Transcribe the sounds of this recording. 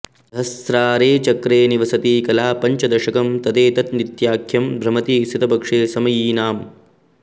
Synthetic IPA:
ɦɐst̪ɾaːɾeːt͡ʃɐkɾeːniʋɐsɐt̪iːkɐlaːpɐɲt͡ʃɐd̪ɐʃɐkɐmt̪ɐd̪eːt̪ɐt̪̚nit̪jaːkʰjɐmbʱɾɐmɐt̪iːsit̪ɐbɐkʂeːsɐmɐjiːnaːm

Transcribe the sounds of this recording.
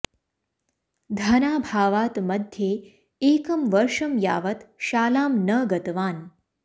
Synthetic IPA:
d̪ʱɐnaːbʱaːʋaːt̪mɐd̪ʱje | eːkɐmʋɐɾʂɐmja̰ːʋɐt̪ʃaːlaːmnɐɡɐt̪ʋaːn

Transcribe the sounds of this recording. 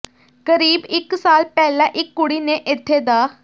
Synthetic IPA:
kəɾiːbɪksaːlpɛːlãːʔɪkːʊɽiːneːʔɪt̪ʰːeːd̪aː

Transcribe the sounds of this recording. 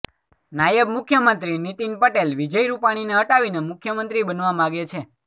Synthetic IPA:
najəbmʊkʰjəmənt̪ɾinit̪inpəʈelʋid͡ʒəjɾupaɽ̃ineəʈaʋinemʊkʰjəmənt̪ɾibənʋamãɡet͡ʃʰe

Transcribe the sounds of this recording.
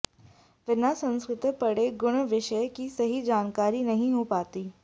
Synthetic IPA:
ʋɪnasɐ̃nskɾɪt̪pɐɽeɡʊɽ̃ʋɪʃəjkisɐɦid͡ʒaːnkaːɾinɐɦĩɦopaːt̪iː

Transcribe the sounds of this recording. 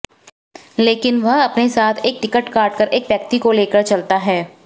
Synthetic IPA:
leːkɪnʋɐɦɐpnesaːt̪ʰeːk̚ʈɪkəʈkaːʈkəɾʔeːkʋjəkt̪ikoleːkəɾt͡ʃɐlt̪aɦɛː

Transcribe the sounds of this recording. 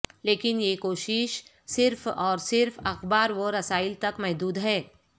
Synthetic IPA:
leːkɪnjekoːʃɪʃ | sɪɾfɔːɾsɪɾfɐxbaːɾʋoɾɐsaːɪlt̪ɐkmɛɦd̪uːd̪ɦɛː

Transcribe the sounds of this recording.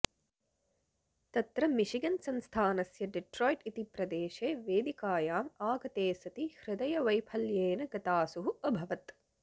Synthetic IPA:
t̪ɐt̪ɾɐmiʃiɡɐnsɐnst̪ʰaːnɐsjɐɖeʈɾoːjʈit̪ipɾɐd̪eːʃeːʋeːd̪ikaːjaːmaːɡɐt̪eːsɐt̪ihɾɪd̪ɐjɐʋɐjpʰɐljeːnɐɡɐt̪aːsuɦuɐbʱɐʋɐt̪

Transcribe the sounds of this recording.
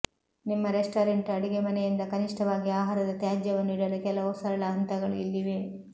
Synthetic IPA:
nimːɐɾesʈɐːɾeɳʈɐɽiɡemɐnɛjind̪ɐkɐniʂʈɐʋaːɡiaːɦaːɾɐd̪ɐt̪jaːd͡ʒjɐʋɐnːiːɽɐlukɛlɐɔsɐɾɐɭɐɐnt̪ɐɡɐɭuilːiʋe̞

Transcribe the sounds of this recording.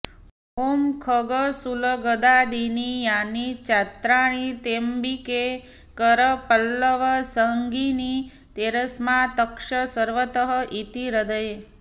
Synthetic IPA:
umkʰəɡəsuləɡəd̪ad̪inijanit͡ʃat̪ɾaɽ̃it̪embike | kəɾəpəlːəʋəsəŋɡini | t̪eɾəsmãt̪əkʃəsəɾʋət̪əɦəʔit̪iɾəd̪əj

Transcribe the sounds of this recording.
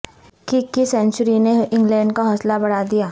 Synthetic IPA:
kikːisɛ̃ːnt͡ʃəɾineɪ̃ŋɡlɛ̃ːɳɖkaɦɔːslabɐɽad̪ijaː

